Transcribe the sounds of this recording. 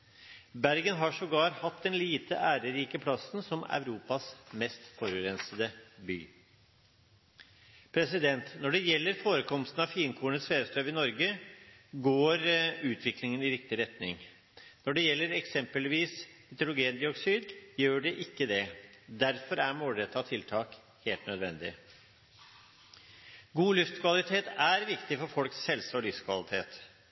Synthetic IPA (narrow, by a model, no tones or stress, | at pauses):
bæɾɡənɦɑʂɔɡɑːɾhɑt̪̚d̪ɛnliːt̪ə̰ʔæːɾəɾiːkəpʰlɑsənsɔmæ̰ʉɾuːpɑsmɛst̪fɔɾʉɾɛnsəd̪əby̰ː | pʰɾɛsɪd̪ɛnt̪nɔɖɛjɛlːəɾfoːɾəkʰɔmst̪n̩ɑʋfiːnkʰuːəɳət̪sfeːɾəst̪ɾøːʋɪnɔɾɡə | ɡoːɾʉːt̪ʰʋɪklɪŋənɪɾɪk̚t̪ɪɾɛt̪nɪ̰ŋ | nɔɖɛjɛlːəɾɛksɛmpəlʋiːsmɪt̪əɾʊɡeːnd̪ɪɔksyːd̪jøːɖɛʔɪkːəd̪ɛd̪æɾfɔɾæɾmoːlɾɛt̪ʰːɑt̪ʰɪlt̪ʰɑːk | heːlt̪nœd̪ʋɛ̰nd̪ɪ̰ | ɡuːlʉft̪kʰʋɑlɪt̪ʰeːt̪æɾʋɪkt̪ɪfɔɾfɔlkshɛlsɔlʏft̪kʰʋɑ̰lɪt̪ʰḛːt̪